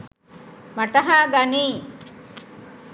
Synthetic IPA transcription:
maʈɐɦaːɡaniː

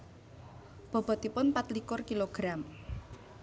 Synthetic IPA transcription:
b̥ɔ̤b̥ɔ̤t̪ipʊnpat̪likʊrkiloɡ̥ɾam

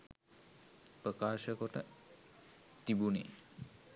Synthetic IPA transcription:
pɾəkaːʃəkɔʈɐ | t̪ibunḛ

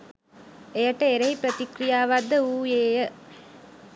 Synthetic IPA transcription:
ejɐʈːɐeɾɐjpɾɐt̪ikɾijaːʋad̪ːɐuːjeːjɐ

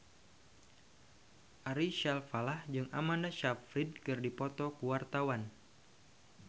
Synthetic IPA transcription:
ʔaɾiʃalfalahd͡ʒɨŋa̰mandaʃafɾid̚kɨrdipɔt̪ɔkuwart̪awan

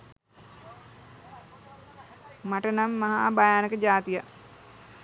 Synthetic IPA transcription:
maʈənamːaɦa̰bajaːnəkəd͡ʒaːt̪ija

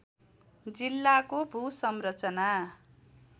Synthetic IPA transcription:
d͡zilːakobʱusʌmrʌt͡sʌna

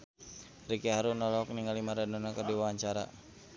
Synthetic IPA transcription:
rikɛɦaɾunɔlɔk̚niŋalimaɾanɔnakardiwawaɲt͡ʃaɾa̰

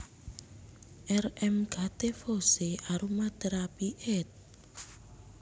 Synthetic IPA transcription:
ʔɛrɛmɡ̥at̪efoseʔaɾumad̪̥eɾapiʔet̪̚

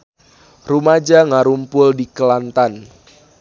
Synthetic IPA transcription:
rumad͡ʒaŋaɾumpʊldikəlant̪an

